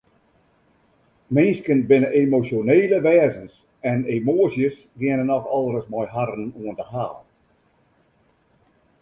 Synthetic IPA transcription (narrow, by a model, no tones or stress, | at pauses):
mɪnskənbɪnəʔemosjoneːləʋɛːzəns | ɛnemoːəsjəs | ʋiənənɔxɔlˠərəsmɔjɦaɾənuəntəhaːl